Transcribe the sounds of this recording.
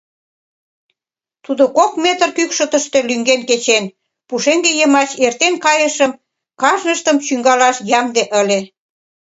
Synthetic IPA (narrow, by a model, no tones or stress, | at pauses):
t̪ud̪okokmet̪ərkykʃə̆t̪ə̆ʃt̪elyŋɡenket͡ɕen | puʃeŋɡejəmɑɕert̪enkɑjəʃəm | kɑʒnəʃt̪əmt͡ɕyŋɡɑlɑʃjɑŋd̪eʔəlʲe